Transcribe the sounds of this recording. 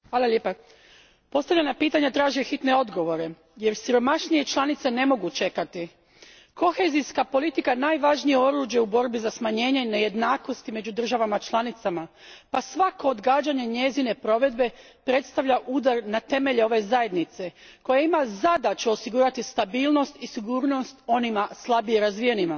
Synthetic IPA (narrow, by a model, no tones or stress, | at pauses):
ʋaːlˠalʲeːpa | po̞st̪aʋʎenapiːt̪aɲat̪ɾaːʒiexit̪ne̞o̞d̪ɡo̞ʋo̞ɾe̞ | je̞ɾsiɾo̞maʃnije̞t͡ʃlˠanit̪se̞ne̞mo̞ɡut͡ʃe̞kat̪i | ko̞xeziskapo̞lit̪ikanaːjʋaʒnijeo̞ɾuːʒje̞ubo̞ɾbizasmaɲe̞ːɲene̞je̞d̪naːko̞st̪ime̞d͡ʑud̪r̩ʒaʋamat͡ʃlˠanit̪sama | pasʋako̞ːd̪ɡaːd͡ʑaɲe̞ɲe̞zine̞pɾo̞ʋe̞d̪be̞ | pɾe̞t̪st̪aʋʎaʔuːd̪aɾnat̪e̞me̞ʎeo̞ʋe̞zaje̞d̪nit̪se̞ko̞jaimazad̪at͡ɕeosiɡuːɾat̪ist̪abiːlˠno̞st̪isiɡuːɾno̞st̪o̞nimaslˠabijeɾazʋijenima